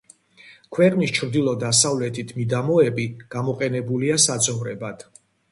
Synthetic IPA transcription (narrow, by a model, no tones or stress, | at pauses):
kʰwɛqʼnist͡ʃʰɾd̪ilˠɔd̪asavlɛt̪ʰit̪ʰmid̪amɔɛbiɡ̥amɔqʼɛnɛbuliasad̪zʼɔvɾɛbad̪̥